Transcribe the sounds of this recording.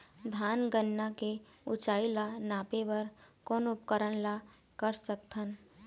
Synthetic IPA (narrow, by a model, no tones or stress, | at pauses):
d̪ʱaːnɡənːakeʊt͡ʃaːilanaːpeʋɐɾkɔːnʊpkəɾənla | kəɾsəkt̪ʰən